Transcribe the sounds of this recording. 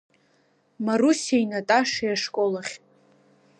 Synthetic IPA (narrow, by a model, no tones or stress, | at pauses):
marusiainatʼaʂajaʂkʼolaχʲ